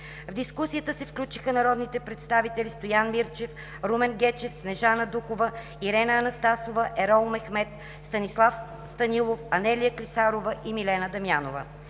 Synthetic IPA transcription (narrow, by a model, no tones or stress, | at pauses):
vd̪iskusijət̪əsɛfklʲut͡ʃixənɐɾɔd̪nit̪ɛpɾɛt̪st̪avit̪ɛlist̪ojanmiɾt͡ʃɛf | ɾumɛnɡɛt͡ʃɛfsnɛʒanəd̪ukovə | iɾɛnəːnɐst̪asovəʔɛɾɔlˠmɛxmɛt̪ | st̪ɐnislˠaf | st̪ɐnilˠofɐnɛlijəklisaɾovəʔimilɛnəd̪ɐmjanovə̰